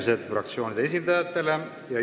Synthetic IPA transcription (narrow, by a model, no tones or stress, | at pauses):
ise̞d̪̥frɑ̰k̚t̪sio̞ːnʲid̪̥ees̬ʲind̪̥ɑjɑt̪ːˑe̞le̞ | jɑ